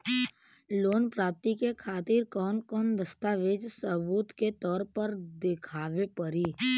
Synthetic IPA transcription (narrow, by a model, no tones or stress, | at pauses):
loːnpɾaːp̚t̪ikekʰaːt̪ɪɾkɔːnkɔːnd̪əst̪aʋeːd͡ʒsəbuːt̪ket̪ɔːɾpəɾd̪ɪkʰaːʋepəɾiː